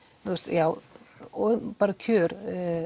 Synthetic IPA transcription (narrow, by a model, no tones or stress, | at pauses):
θust̪jaːwɔpaːɾacʰœːɾ